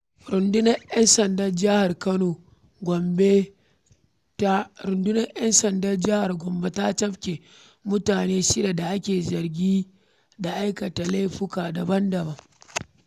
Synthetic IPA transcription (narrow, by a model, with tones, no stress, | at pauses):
ɾʊ˨ndʊ˦nɐ˦jɐ˦nsɐ˨ndɐ˦rd͡ʒa˦ha˨rkɐ˦noː˨ | ɡʷɔ˨mbe˦ | tɾʊ˨ndʊ˦nɐ˦rjɐ˦nsɐ˨ndɐ˦rd͡ʒɪ˦ha˨rɡʷɔ˨mbe˦ta˦t͡ʃɐ˦ɸkʲe˨ | mʊ˦taː˨neː˦ʃɪ˦de˨da˨ʔa˦kʲeː˨zɐ˨rɡʲiː˦ | da˨ʔa˦jkɐ˨ta˨la˦jɸʊ˦kaː˨dɐ˨bɐ˦ndɐ˨bɐ˦ŋ